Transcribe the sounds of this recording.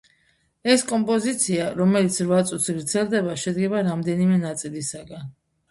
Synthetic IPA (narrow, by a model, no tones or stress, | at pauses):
ɛskʼɔmpʼɔzit̪sʰiaɾɔmɛlit̪sʰɾvat̪sʼut̪ʰsɡɾd̪zɛlˠd̪ɛbaʃɛd̪ɡɛbaɾamd̪ɛnimɛnat̪sʼilisaɡan